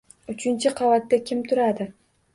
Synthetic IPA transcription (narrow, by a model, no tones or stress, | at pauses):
ʊt͡ʃʰɪnt͡ʃʰɪqʰɑvat̪ːakʲʰɪmt̪ʰʊɾad̪ɪ